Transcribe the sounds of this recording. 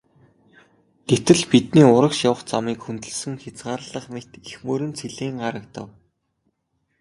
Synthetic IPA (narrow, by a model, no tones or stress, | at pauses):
t̪et̪ɘ̆ɮpit̪niːʊɾə̆kʃjawə̆χt͡samiːkxunt̪ɵ̆ɮsɘ̆ŋxʲat͡sɢaːɾɮə̆χmet̪ixmɵːɾɘ̆nt͡sʰiɮeːŋɢaɾə̆k̚t̪ə̰̆w